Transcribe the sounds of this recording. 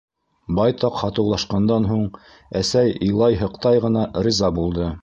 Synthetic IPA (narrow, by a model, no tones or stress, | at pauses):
bɑjt̪ɑqhɑt̪ɤ̆wlˠɑʃqɑnd̪ɑnɦuɴ | æsæjɤ̆jlˠɑjɦɤ̆qt̪ɑjʁɤ̆nɑɾʲizɑbulˠd̪ɤ